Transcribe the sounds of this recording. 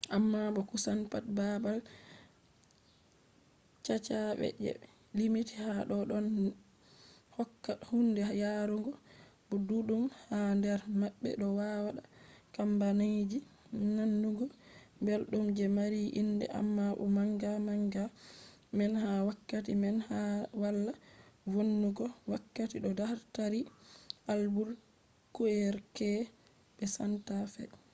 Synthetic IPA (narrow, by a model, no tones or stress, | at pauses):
ʔamːaɓɔkusanpatbabal | t͡ʃat͡ʃaɓɛ̰d͡ʒɛ̰ | limitihaɗɔɗɔn | hɔkːahundɛjaɾuŋɡɔbɔduɗumhandɛɾmaɓːɛ̰ɗɔwawaɗakambanajd͡ʒi | nanːuɡɔmbɛlɗumd͡ʒɛmaɾiʔindɛ̰ʔa̰mːaʔṵmaŋɡamaŋɡa | mɛnhawakːatimɛnhawalːawonːuɡɔwakːatiɗɔdahɾtaɾiʔalbuɾ | kuɛɾkɛ | ɓɛsantafɛ̰